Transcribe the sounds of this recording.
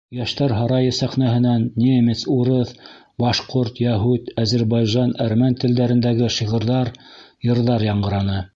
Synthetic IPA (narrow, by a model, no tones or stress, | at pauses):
jæʃt̪æɾɦɑɾɑjɤsæχnæɦɘ̆nænːʲemʲet̪suɾɤθ | bɑʃqoɾt̪jæɦut̪æzɘ̆ɾbɑjʒɑnæɾmænt̪ɘ̆ld̪æɾɘ̆nd̪æɡɘʃiʁɤ̆ɾðɑɾjɤ̆ɾðɑɾjɑɴɢɤ̆ɾɑnɤ